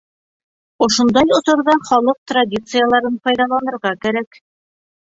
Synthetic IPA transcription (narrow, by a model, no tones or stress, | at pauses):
ŏʃŏnd̪ɑjŏsŏɾðɑχɒlˠɤq̚t̪radʲit̪sɨjalˠɑɾɤnfɒjðɑlˠɑnɤ̆ɾʁɑkæɾæk